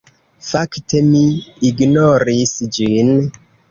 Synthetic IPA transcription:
fakte̞miːɡnoɾisd͡ʒin

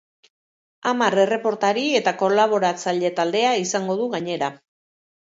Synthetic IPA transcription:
amare̞re̞po̞ɾt̪aɾie̞t̪ako̞laβ̞o̞ɾat͡saʎe̞t̪ald̪e̞aisaŋɡo̞ðuɣaɲe̞ɾa

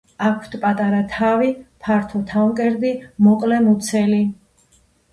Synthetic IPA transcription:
akʰt̪ʰpʼat̪ʼaɾat̪ʰavipʰaɾt̪ʰɔt̪ʰaŋkʼɛɾd̪imɔqʼlɛmut̪sʰɛli

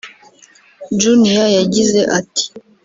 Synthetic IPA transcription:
d͡ʒunijajaɟizeʔati̥

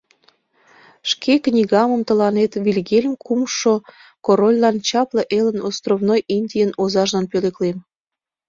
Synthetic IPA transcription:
ʃkʰeknʲiɣɑməmt̪əlɑnet̪βilʲɣelʲəmkʰumʃo | koɾolʲlɑnt͡ɕɑpləʔelənost̪rovnojinʲdʲijənozɑʒlɑnpøleklem

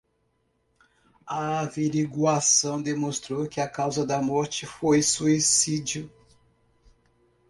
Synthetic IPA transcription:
ɐaviɾiɡwasɐ̃w̃d̪emõst̪ɾowkɪɐkawzɐd̪ɐmɔɾt͡ʃɪfojsuisid͡ʒʊ

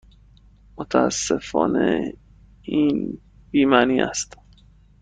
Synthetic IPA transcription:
mot̪ʰææsːefɒ̰ːne | iːn | b̥iːmæniːʔæ̰st̪

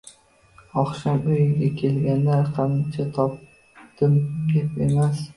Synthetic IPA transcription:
ɒχʃamʊjɪŋɡʲakʲʰe̞lɡʲanlaɾqʰɑnɪnt͡ʃʰat̪ʰɒp̚ | d̪̥ɪmkʲapḛmas

